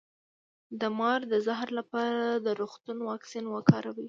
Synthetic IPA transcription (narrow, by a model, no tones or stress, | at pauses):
d̪əmɑɾd̪əzaɦɾlapɑɾad̪əɾoxt̪unwɑksinwəkɑɾawi